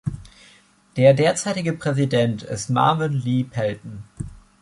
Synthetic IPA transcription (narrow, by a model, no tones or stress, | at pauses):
d̥eːɐdeːɐt͡saɪtɪɡəpʁ̥ɛzidɛntʰɪ̰stma̰ɐvɪnliːpʰɛltn̩